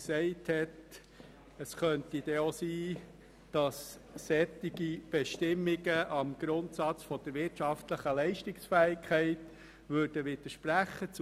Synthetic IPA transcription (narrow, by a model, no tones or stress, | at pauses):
ksɛɪthɛt | əsχœntid̥ɛosiː | d̥ɑsː | ɛt̪ɪɡ̥ib̥ɛʃtɪmːɪɡəʔɑmɡ̥ɾʊntsɑt͡sfɔd̥əɾʋɪɾtʃɑftləχəlɛɪʃtɪksfæːɪkʰχɛɪt | ʋʉːɾd̥əʋɪd̪̥əʃpɾæχət͡s